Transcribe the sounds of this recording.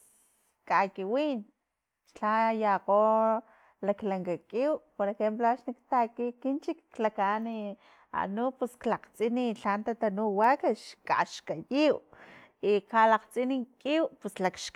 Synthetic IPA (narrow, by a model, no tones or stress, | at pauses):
kakiwin | t͡ʃt͡ɬajaqo | laklaŋkakʼiwpoɾexemploaʃnikt̪akikint͡ʃikːlakani | a̰nupusklaqt͡sʼiniɬant̪at̪anuwakaʃkaʃkajiw | ikalaqt͡sʼinikʼiwpuslakʃk